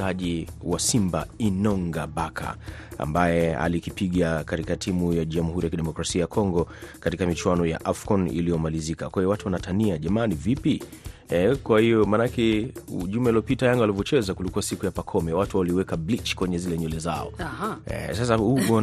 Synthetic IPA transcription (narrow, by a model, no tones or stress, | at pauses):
aʄiwasimba̰inɔŋɡaɓakʰa̰a̰mbajɛa̰likipiɠakatikatʰimujaʄamuhuɾijakiɗɛmɔkɾasiajakʰɔŋɡɔkatikamit͡ʃwanɔja̰ʔafkɔnḭlijɔmalizikakwaijɔwatuwanatʰaniaʄamaːnivipiɛkwahijɔmanakɛʄumɛiliɔpitajaŋɡalivɔt͡ʃɛzakulikuwasikujapakʰɔmɛwatuawaliwɛkablit͡ʃkwɛɲɛzilɛɲɔlɛza̰ɔ̰ɛ̰ɛ̰sas̬ahuɡɔ